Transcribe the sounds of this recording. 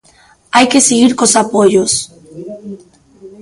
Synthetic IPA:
ajkesiɣiɾkosapoʎos

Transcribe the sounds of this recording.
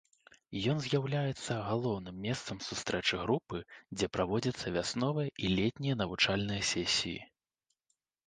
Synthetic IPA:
jɔnzʲjawlʲajɛt̪sːɐɣalˠɔwnɨmːʲɛst̪sɐmsust̪ɾɛt͡ʂɨɣɾupɨd͡zʲɛpɾʔavɔd͡zʲɐt̪sːɐvʲasnɔvɨjɐʔilʲɛt̪ʲnʲijɐnɐvut͡ʂalʲnɨjɐsʲɛsʲḭjḭ

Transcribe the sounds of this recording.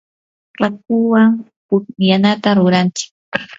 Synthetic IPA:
ɾak̚ʊwaŋ | pʊjanat̪aɾʊɾant͡ʃɪ̥k̚

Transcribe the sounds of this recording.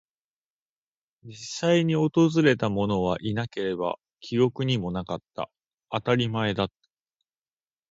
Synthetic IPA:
d͡ʑisːaiɲ̟io̞t̪o̞zɨɾe̞t̪amo̞no̞β̞aʔinake̞ɾe̞ba̰ | kʲʰiɾo̞kɯ̟ɲ̟imo̞nakat̪ːa̰ | at̪aɾʲimae̞d̪at̪ːḁ

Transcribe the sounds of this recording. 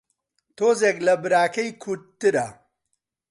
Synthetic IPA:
t̪ʰoːzeklɐbɨɾaːkɐjkʰuɾt̪ːɨɾɐ

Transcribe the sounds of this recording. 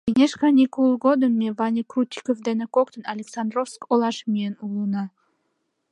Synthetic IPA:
enʲeʃkɑnʲikulˠɣod̪ənmevɑnʲikrut̪ʲːikovd̪enekokt̪ənɑlʲeksɑnd̪rofskolˠɑʃmʲijenulˠunɑ

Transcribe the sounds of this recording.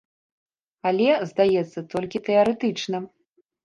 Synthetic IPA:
alʲɛzd̪ajɛt̪sːɐt̪ɔlʲkʲit̪ɛɐɾɛt̪ɨt͡ʂnɐ

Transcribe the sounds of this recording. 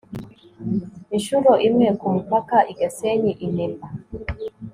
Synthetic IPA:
iʃuɾɔʔimɛkum̩pakaʔiɡɛseɲiʔinimba

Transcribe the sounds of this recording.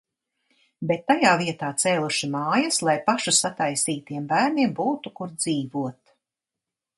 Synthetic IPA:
bet̪ːajaːviɛt̪aːt̪sɛːlˠuʃimɑːjɐslˠajpaʃusat̪ajsiːt̪iɛmbæːɾniɛmbuːt̪ukuɾd̪ziːvuɔt̪

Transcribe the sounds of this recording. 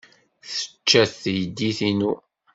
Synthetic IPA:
θə̥t͡ʃːæθjəd̪iθinu

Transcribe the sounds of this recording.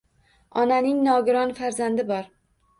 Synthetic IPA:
ɒnanɪŋnɒɡʲɪɾɒnfaɾzand̪ɪbɒɾ

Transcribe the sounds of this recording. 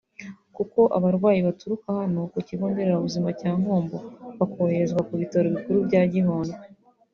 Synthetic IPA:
kuko̞ʔaβaɾɡwaːjiβatuɾukahano̞kociβoːnde̞ɾeɾauβuzimacaːŋ̥hoːmboβakoheɾezɡwakuβitaɾoβikuɾubɟaːɟiɦoːndo

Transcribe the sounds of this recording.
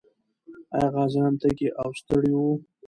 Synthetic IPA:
ajɣɑzɑnt̪akeʔawst̪əɽiwu

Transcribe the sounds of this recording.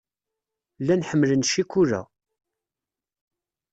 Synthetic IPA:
lːænħəmːələnʃikʷːuɾæ̰

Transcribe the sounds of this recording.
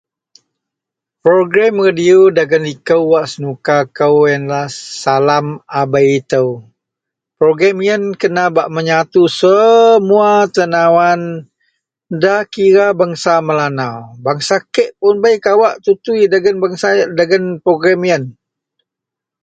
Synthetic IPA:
pɾoɡɾamradiodaɡənlikəwːaʔsənukakəwjənlahsalamabajit̪əw | pɾoɡɾamijənkənabaʔməɲat̪usəmuat̪ənawan | dakiɾabaŋsaməlanawbaŋsakəʔpʊnbajkawaʔt̪ut̪uiɡənbŋsadaɡənpɾoɡɾamijən

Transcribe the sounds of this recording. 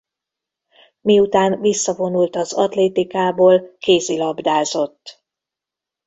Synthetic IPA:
miut̪aːnvisːɒvo̞nult̪ɒzɒt̪leːt̪ikaːboːlkeːsilɒbd̪aːzo̞t̪ː

